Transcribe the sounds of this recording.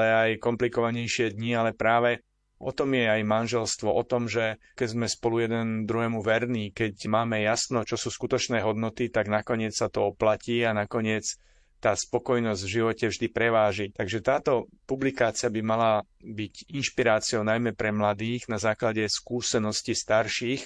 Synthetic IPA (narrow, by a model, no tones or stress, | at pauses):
lɛajkɔmplikɔʋaɲɛjʃɪɛd̪ɲialɛpɾaːʋɛ | ɔt̪ɔmjɛajmanʒɛlst̪ʋɔʔɔt̪ɔmʒɛ | kɛzmɛspɔlujɛd̪ɛnd̪ɾuɦɛːmuʋɛɾniːkɛcmaːmɛjasnɔt͡ʃɔsuːskut̪ɔt͡ʃnɛːɦɔd̪nɔt̪it̪aɡnakɔɲɪɛt͡ssat̪ɔɔplaciːanakɔɲɪɛt͡s | t̪aːspɔkɔjnɔzɟvʒiʋɔcɛvʒd̪ipɾɛʋaːʒit̪aɡʒɛt̪aːt̪ɔpublikaːt͡siabimala | biɟinʃpiɾaːt͡sɪɔʊnajmɛpɾɛmlad̪iːɣnazaːklaɟɛskuːsɛnɔscist̪aɾʃiːx